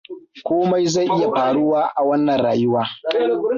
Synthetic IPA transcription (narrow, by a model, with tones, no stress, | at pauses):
kʷoː˦ma˦jza˦˨jʔɪ˦ja˨ɸaː˨ɽʊ˦waː˦ʔa˨wɐ˦nːɐ˨nɽaː˨jɪ˦waː˦